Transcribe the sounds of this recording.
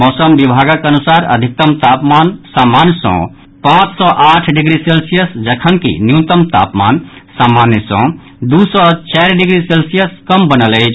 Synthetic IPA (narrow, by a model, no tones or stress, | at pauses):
mɔːsəmbibʱaɡəkənusaɾə̰d̪ʱik̚t̪əmt̪apmansamansɔ̰̃ | pãt͡ʃsɔʔaʈʰɖiɡɾiselsijəsd͡ʒəkʰənkḭnjut̪əmt̪a̰pma̰nsamanjəsɔ̰̃ | d̪usɔt͡ʃaɾɖiɡɾiselsijəskəmbənələɪt͡ʃʰ